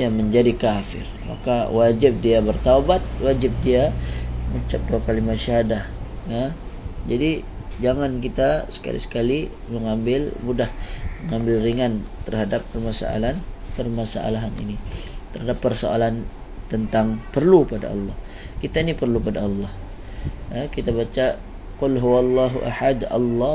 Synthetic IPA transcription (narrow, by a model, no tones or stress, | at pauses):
jaməɲd͡ʒadikafɪ̰rma̰kawad͡ʒɪp̚diabərt̪awbat̪̚wad͡ʒɪp̚diamut͡ʃap̚duakalimaʃaɦadahad͡ʒadid͡ʒaŋank̬it̪asə̥ka̰lḭsə̥kali | məŋambɪlmudahməŋambɪlriŋant̪ərhadapːərmasa̰a̰lanpərmasa̰ʔa̰laɦanḭnit̪ərɦhadapːərsoa̰lant̪ənt̪aŋpərlupada̰ɑ̰lːɑh | kit̪ainipərlupadaɑlːɑh | əkit̪abat͡ʃa | qʊlɦuwalˤːaɦuʔa̰ħad̪a̰lˤːɑ